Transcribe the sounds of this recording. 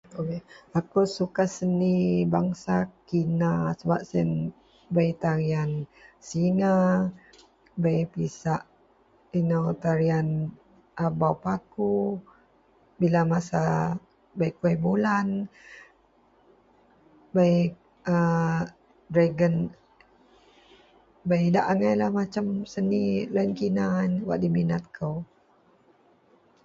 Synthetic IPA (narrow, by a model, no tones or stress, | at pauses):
okeakusukasənibaŋsakinasəbap̚sən | bait̪aɾiansiŋa | bajpisaʔ | inawt̪aɾian | ʔabawpaku | bilamasa | baikuabulan | baj | ə | dɾaɡən | baidaʔaŋajlahmat͡ʃamsənilaənkinanwa̰ʔdiminat̪̚kʰəw